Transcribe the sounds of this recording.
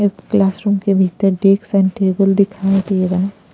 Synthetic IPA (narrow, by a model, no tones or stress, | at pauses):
ɪklaːsɾuːmkebʱit̪əɾɖeːksɛ̃nʈeːbəld̪ɪkʰaːẽt̪ʰeeɾaː